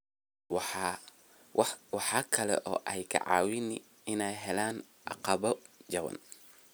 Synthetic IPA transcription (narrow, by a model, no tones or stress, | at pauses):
w | wɑħɑːkʰɐlɛ̰ʔɔ̰ːʔɛjkʰɐ̰ʕɑ̰ːwɪnɪ | ɪnɛjɦɛlaːn | ʔɑ̰qɑβɔd͡ʒɐwɐ̰n